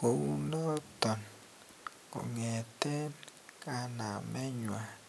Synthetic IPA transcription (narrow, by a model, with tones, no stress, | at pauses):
ko˨u˦nɔ˦t̪ɔ˨n | ko̰˨ŋe˨t̪e˦nka˦na˨mɛ˦ɲwa˨